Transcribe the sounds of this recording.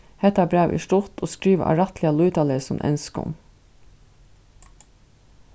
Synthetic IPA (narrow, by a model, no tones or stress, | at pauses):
hɛt̪ɑbɾæːʋʔḭːʃʈʊt̪ʰoːskɾiːʋɑ̰ɾɑt̪ʰlɪɑlʉːt̪ɑːləɾsɔmʔɛ̰nskʊ̰m